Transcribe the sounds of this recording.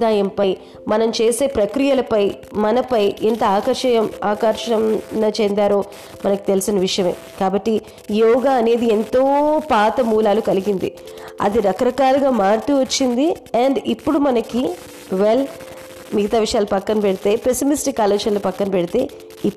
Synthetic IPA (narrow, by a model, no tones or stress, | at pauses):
aːjɐmpɐj | mɐnɐmt͡ʃe̞ːse̞ːpɾɐkɾijɐlɐpɐj | mɐnɐpɐjʔent̪ɐaːkɐɾʂɐjɐmaːkɐɾʂɐmnɐt͡ʃend̪aːɾoː | mɐnɐki̥t̪e̞lisinɐʋiʂɐjɐme̞̰ː | kaːbɐʈːi | jɔːɡaːɐne̞ːd̪ie̞nt̪o̞ːpaːt̪ɐmuːlaːlukɐliɡind̪ḭ | ɐ̰d̪iɾɐkɐɾɐkaːluɡaːmaːɾt̪uʋɐt͡ʃːind̪i | ɐɳɖipːuɽumɐnɐki | ʋel | miɡɐt̪aːʋiʂɐjaːlupɐkːɐnɐpeɽit̪e̞ːpe̞simisʈikːaːleːɡʂɐnɐlopɐkːɐnɐpɛɽit̪e̞ː | i